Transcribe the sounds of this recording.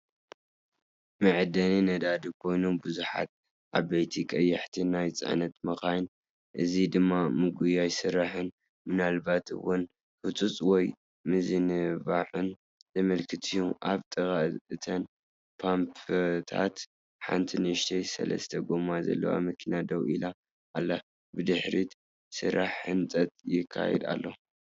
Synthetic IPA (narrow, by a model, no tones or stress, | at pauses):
mɨʕɨd̪ɐninɐd̪ad̪ikʰo̞jnubɨzuħa̰t̪̚ | ʔaβɐjt̪ʰikʼɐjːɐħt̪ʰinajt͡sʼɨ̰ʕnɐt̪mɐxajn | ʔɨzid̪ɨmːamɨɡujajsɨɾːaħɨn | mɨnalbat̪ɨ̰wʊn | hut͡s̪ʼut͡sʼwɔj | mɨzɨnɨβaħɨn | zɐmɐlkʰɨt̪ʰijuʔaβt̪ʼɨɣʼaɨt̪ʰɐn | pʰampt̪ʰa̰t̪ | ħa̰nt̪ʰinɨʃt̪ʰejsɐ̰lɐ̰st̪ʰɐɡomazɐ̰lːɐ̰wa̰mɐkʰinad̪ɐwila | ʔːlːa | bɨd̪ɨħɾit̪ | sɨɾʔaħːɨnt͡sʼɐt̪ʼjɪkʰːa̰jɛ̰d̪a̰lːo